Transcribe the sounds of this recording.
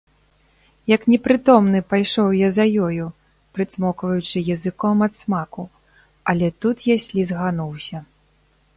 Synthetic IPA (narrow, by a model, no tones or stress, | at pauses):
jɐknʲɛpɾɨt̪ɔmnɨpajʂɔwjazɐjɔju | pɾɨsmɔkvɐjut͡ʂɨjɐzɨkɔmɐt̪smaku | ɐlʲɛt̪ut̪jasʲlʲizɣanuwsʲɐ